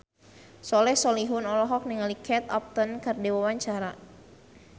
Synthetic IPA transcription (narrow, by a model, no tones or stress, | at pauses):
sɔlɛhsɔliɦunɔlɔɦɔk̚niŋalikʰɛt̪ap̚t̪ənkərdiwawaɲt͡ʃaɾa